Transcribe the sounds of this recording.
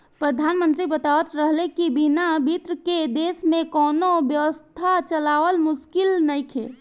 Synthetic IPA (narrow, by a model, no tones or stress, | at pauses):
pɾəd̪ʱaːnmə̃nt̪ɾibət̪aət̪ɾəɦlekibinabʱit̪ɾəked̪eːsmẽkɔːnobjəʋəst̪ʰat͡ʃəlaːʋəlmʊʃkɪlnəjkʰḛ